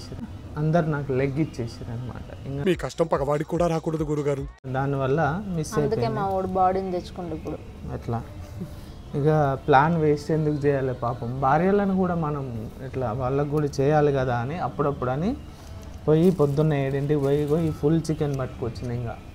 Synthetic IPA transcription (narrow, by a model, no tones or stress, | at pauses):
siɾɐnd̪ɐɾunaːkuleɡːit͡ʃeːsiːɾɐnɐma̰ːʈɐ̰iŋkamiːkɐʂʈɐmpɐkɐʋaːɽikuːɽaːɾaːkuːɽɐd̪uɡuɾuɡaːɾud̪aːniʋɐlːɐmist͡ʃeːd̪ueeːmaːoɽibaːɽind̪et͡ʃːu̥kuɳɖɐpːuɽu | ɛʈlaː | iŋkaplaːnʋeːseːnd̪ukut͡ʃɛːjaːlepaːpɐmbaːɾjɐlɐnukuːɽaːmɐnɐmɛʈlaːʋaːɭːɐkːuːɽat͡ʃɛːjaːlikɐd̪aːniɐpːuɽɐpːuɽɐni | pojipod̪ːunːɐjeɽɐɳɖiʋojikojipʰult͡ʃikenbɐʈːukʋɐt͡ʃːind̪iŋka̰ː